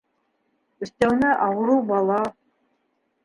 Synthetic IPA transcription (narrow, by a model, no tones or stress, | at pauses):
ɵ̆st̪æwnɘʔɑwɤ̆ɾubɑlˠɑ